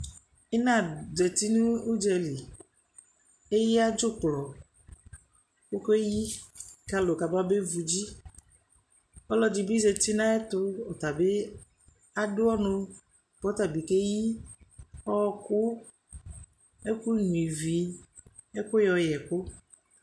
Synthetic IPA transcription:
e˦nã˦˨dɛ˨t̪i˦nũ˦u˦d͡ʒɛ˨li˨ | e˦ji˦a˦d͡ʒʊ˦k͡plɔ˨ | ko˦ko˦e˦ji˦ka˨lo˨ka˨ba˦be˦vu˨d͡ʒi˦ | ɔ˦lɔ˦d͡ʒi˨bi˦ze˨t̪i˦nã˦e˦t̪ʊ˦ɔ˨t̪a˨be˦ | a˨ɖʊ˦ɔ˦nʊ̃˦ | b̥ɔ˨˦t̪a˨bi˨ke˦ji˦ | ɔ˦kʊ˦ | e˦ku˦ɲũ˨i˨vi˨ | e˦kʊ˦jɔ˨jɛ˨ko˦

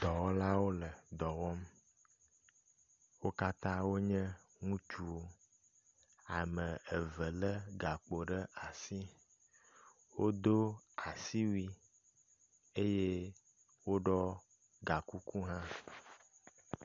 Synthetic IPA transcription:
d̪ɔ˨wɔ˦la˦wo˦lə˨d̪ɔ˨wɔ˦m | wo˦ka˦t̪ã˦wo˦ɲɛ̃˦ | ŋũ˦t͡ʃu˦o˦ | a˨mə̃˨ə˨və˨lə˦ɡa˨k͡po˨ɖə˦a˨si˦ | wo˦d̪o˦a˨si˦wi˦ | e˦je˦ | wo˦ɖɔ˦ | ɡa˨ku˦ku˦ɦã˦

